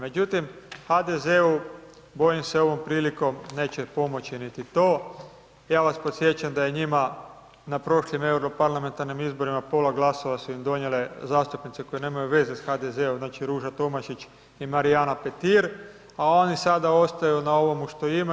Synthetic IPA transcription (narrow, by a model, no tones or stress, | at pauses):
me̞d͡ʒut̪imxad̪ezeu | bo̞jimseo̞ʋo̞mpɾiːliko̞mne̞ːt͡ɕe̞po̞mo̞t͡ɕinit̪it̪o̞ː | jaːʋaspo̞t̪sje̞t͡ʃamd̪aje̞ɲima | napɾo̞ʃlime̞uɾopaɾlˠame̞nt̪aɾnimizbo̞ɾimapo̞laɡlˠaso̞ʋasuimd̪o̞ɲje̞le̞zaːst̪upnit̪seko̞jene̞ːmajuʋe̞zesxad̪ezeumznaːt͡ʃiɾuːʒat̪o̞maʃit͡ʃ | imaɾianape̞t̪iɾ | ao̞nisad̪ao̞st̪ajunao̞ʋo̞muʃt̪o̞ima